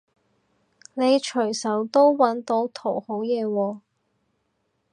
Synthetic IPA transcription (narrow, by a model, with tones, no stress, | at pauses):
ne˨˧jt͡ʃʰɵ˨˩jsɐ˨˥wt̪o˥wwɐ˨˥nt̪o˨˥wt̪ʰo˨˩who˨˥wjɛː˨˧wɔː˧